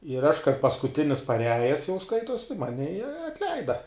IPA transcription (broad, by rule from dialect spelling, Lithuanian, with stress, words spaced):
ɪr ɐʃ kɐɪp pɐskʊˈtʲɪnʲɪs pɐˈrʲæːjɛs jɛʊ ˈskɐɪtuɔs tɐɪ ˈmɑːnʲɪ ɪ ɐtʲˈlʲɛɪdɐ